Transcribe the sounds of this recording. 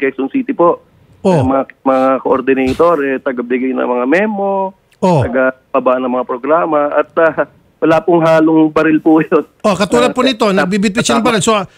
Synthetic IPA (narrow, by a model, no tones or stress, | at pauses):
kɛksonsiːt̪ɪpoʔ | omɐamɐŋakoʔoɾd̪ɪnɛjt̪oɾɛt̪ɐɡabɪɡajnɐ̰ŋmɐŋamɛmo | ʔot̪ɐɡapɐbaʔnːɐŋmɐŋapɾoɡɾaːmɐʔɐt̪̚a | wɐlaːpʊŋɦaːlʊŋbɐɾɪlpujonʔokɐt̪uːlɐdponɪt̪onɐɡ̚bibɪpɪt̪ʃɐnɐŋbɐɾɪlso